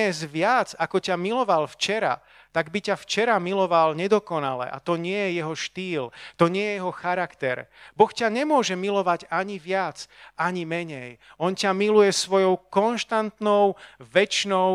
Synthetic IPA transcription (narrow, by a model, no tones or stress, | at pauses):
ɛzʋɪad͡zakɔcamilɔʋalft͡ʃɛɾa̰ | t̪aɡbicaft͡ʃɛɾamilɔʋalɲɛd̪ɔkɔna̰lɛ̰ʔa̰t̪ɔɲɪɛjɛjɛɦɔʃt̪iːlt̪ɔɲɪɛjɛjɛɦɔxaɾakt̪ɛɾbɔxcaɲɛmʊɔʒɛmilɔʋaɟaɲiʋɪad͡zaɲimɛɲɛjɔncamilujɛsʋɔjɔʊkɔnʃt̪ant̪nɔʊʋɛt͡ʃnɔʊ